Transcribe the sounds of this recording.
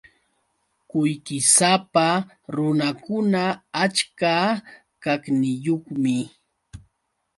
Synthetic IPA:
kʊjkɪsapa | ɾʊnakʊnaat͡ʃka | kaknɪjoχmɪ

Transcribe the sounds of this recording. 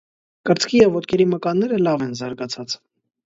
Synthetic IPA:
kəɾt͡skʰijɛvːɔt̪kɛɾiməkɑnːɛɾəlɑvɛnzɑɾɡɑt͡sʰɑt͡s

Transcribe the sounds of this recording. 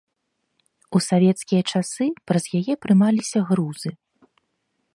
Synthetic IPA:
usavʲɛt̪skʲijɐt͡ʂasɨpɾɐz̥jajɛpɾɨmalʲisʲɐɣɾuzɨ

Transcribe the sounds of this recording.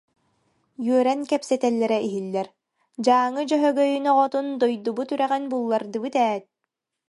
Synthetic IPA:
jyœɾɛnkɛpsɛt̪ɛlːɛɾɛiɦilːɛɾ | d͡ʑaːŋɯd͡ʑœɦœɡœjynɔʁɔt̪und̪ɔjd̪ubut̪yɾɛʁɛnbulˠːaɾd̪ɯbɯt̪ɛːt̪̚

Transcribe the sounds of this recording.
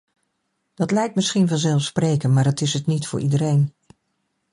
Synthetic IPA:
d̥ɑtlɛjk̚tmɪsχinvɑnzɛlˠfsprejkənmaːɹətɪsɦətnitfʊ̰ːɹʔidəɾejn

